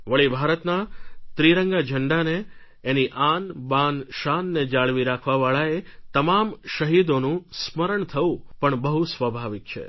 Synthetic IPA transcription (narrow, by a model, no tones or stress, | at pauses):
ʋəɭibʱaɾət̪nat̪ɾiɾəŋɡad͡ʒʱəɳɖaneː | niʔanbanʃanːed͡ʒaɭʋiɾakʰʋaʋaɭaet̪əmamʃəɦid̪onũsməɾəɳt̪ʰəʋũpəɳbəɦusʋəbʱaʋik̚t͡ʃʰḛ